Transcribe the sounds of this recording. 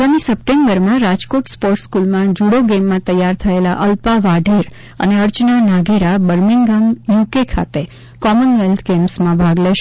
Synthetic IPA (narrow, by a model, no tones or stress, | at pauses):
aɡamisəp̚ʈembəɾmãɾad͡ʒkoʈspɔɾʈskulmãd͡ʒuɽoɡemːãt̪əjaɾt̪ʰəela̰ʔəlpaʋaɖʱeɾ | ə̰neəɾt͡ʃnanaɡeɾabəɾmiŋɡamjukekʰa̰t̪e | kɔmənʋelt̪ʰɡemsmãbʱaɡleʃ